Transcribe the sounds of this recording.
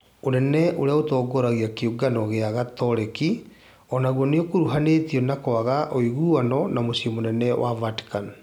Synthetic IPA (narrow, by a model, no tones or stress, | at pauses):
onɛnɛʔoɾeaotɔːɡɔɾaɣiakeuɡanɔɣeaɣatɔɾɛki | ɔnaɣwɔneokoɾuɦaneːtiɔnakwaɣaʔoiɣuanɔnamosiɔmonɛnɛwavati̥kan